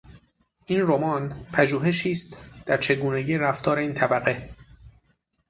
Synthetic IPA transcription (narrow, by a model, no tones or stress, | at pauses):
ʔiːnromɒːnpʰæʒuːɦe̞ʃiːst̪d̪̥æɾt͡ʃʰe̞ɡuːne̞ɟiːɾæft̪ʰɒːɾeiːnt̪ʰæbæɣe̞